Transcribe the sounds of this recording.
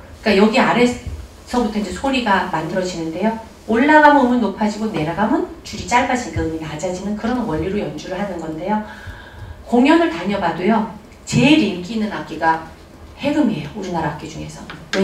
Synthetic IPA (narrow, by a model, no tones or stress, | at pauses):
ik͈ajʌɡiaɾe̞ | sʰʌbutʰʌind͡ʑesʰoɾiɡamandɯɾʌd͡ʑinɯnde̞jo | oɭːaɡamoɯmɯnnːopʰad͡ʑiɡone̞ɾaɡamɯnt͡ɕuɾit͡ɕ͈aɭbad͡ʑiɡɯɯminad͡ʑad͡ʑinɯnkɯɾʌnwʌʎːiɾojʌnd͡ʑuɾɯɭɦanɯnɡʌnde̞jo | koŋjʌnɯɭtaɲʌbadojo | t͡ɕe̞ɾimk͈ʰiːnːɯnak͈iɡa | he̞ɡɯmiɦḛjouɾinaɾak͈ed͡ʑuŋɦe̞sʰʌ